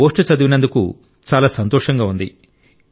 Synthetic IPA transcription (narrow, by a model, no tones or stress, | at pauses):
oːʂʈɐt͡ʃɐd̪uʋinɐnd̪ukṵ | t͡ʃaːlaːsɐnt̪ɔːʂɐŋɡaːund̪ḭ